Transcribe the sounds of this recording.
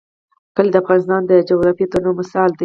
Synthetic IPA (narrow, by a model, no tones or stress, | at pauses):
kəled̪əafɣɑnɪs̬t̪ɑnd̪əd͡ʒoɣɾɑfit̪oɾnomɪsɑld̪i